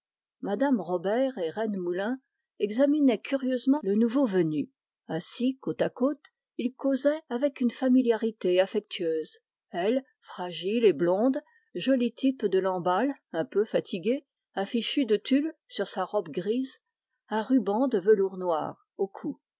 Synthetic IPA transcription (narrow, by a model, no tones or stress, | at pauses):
mad̪amʁɔbɛʁeʁɛnmulɛ̃ | ɛɡzaminɛkʲyʁjøzmɑ̃lənuvovəny | ɛ̃sikot̪akot̪ | ilkozɛavɛkynfamiljaʁit̪eafɛk̚t̪ʰɥøːz | ɛl | fχaʒileblɔ̃d̪ | ʒɔlit̪ʰipd̪əlɑ̃balɛ̃pøfat̪ʰiɡʲe | ɛ̃fiʃyd̪ət̪ylsyʁsaʁɔbɡʁiz | ɛ̃ʁybɑ̃d̪əvəluʁnwa̰ːʁ | okʰu